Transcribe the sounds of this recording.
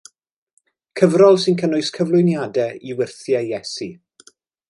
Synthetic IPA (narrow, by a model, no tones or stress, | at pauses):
kʰəvrɔlˠsɪnkʰənʊɨskʰəvlˠʊjnjadɛiwɪrθjajɛsi